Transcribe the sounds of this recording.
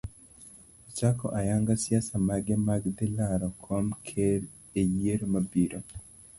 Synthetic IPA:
ɔt͡ʃakɔ̰ʔajaŋɡasiasamaɡɛmaɡd̪ɛlaɾɔkʰɔmkʰeɾ | ejeɾomabiɾo

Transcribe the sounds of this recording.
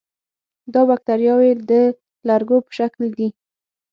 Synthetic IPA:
d̪ɑbak̚t̪aɾjɑwed̪ə | laɾɡopə̥ʃakld̪i

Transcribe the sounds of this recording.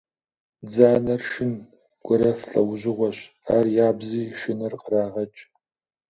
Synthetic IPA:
d͡zaːnɐrʃɪn | ɡ̥ʷɔɾɐfɬʼɐ̰wʑɪʁʷɔɕ | a̰ːrjaːbziːʃɪnɐrqəɾaːʁɐt͡ʃʼ

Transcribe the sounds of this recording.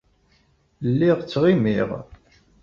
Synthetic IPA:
lːiʁt͡sːʁimiʁ

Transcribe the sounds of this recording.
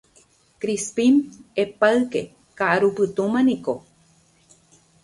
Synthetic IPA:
kɾispimepaɨke | kaaɾupɨt̪umãniko

